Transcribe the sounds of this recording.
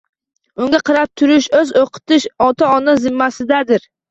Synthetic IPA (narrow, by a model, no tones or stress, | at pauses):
ʊŋɡʲaqʰɨɾap̚t̪ʰʊɾɪʃɵzoqʰɨ̥t̪ɪʃɒt̪ʰaɒnɨzɪmːasɪd̪ad̪ɪɾ